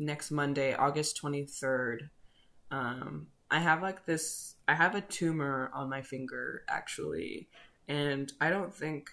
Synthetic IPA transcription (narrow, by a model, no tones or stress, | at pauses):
nɛkst̚mʌ̃ndeɪʔɔɡɨstʰw̥ɛ̃ɾ̃iθɜ˞d | ʌ̃mʔaɪəvlaɪk̚ðɪsaɪɨvɨtʰʉmə˞ə̃nmaɪfɪ̃ŋɡə̰˞ʔæ̰k̚t͡ʃul̩ˠḭ | ɨ̃naɪɾõʊ̃nθɪ̃ŋk